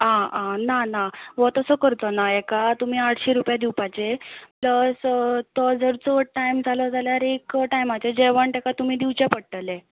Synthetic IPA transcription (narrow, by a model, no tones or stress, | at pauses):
ɦããnanaʋɔt̪əsəkəɾt̪onaɛkat̪umiːaʈɕiːɾupjad̪iwpat͡ɕepləst̪ɔd͡zəɾt͡sɔʈajmd͡zʱalɔd͡zaljaɾekʈajmat͡ɕed͡ʑeʋəɳʈ̪ekat̪um̤iːd̪iʋt͡ɕapəɽʈəle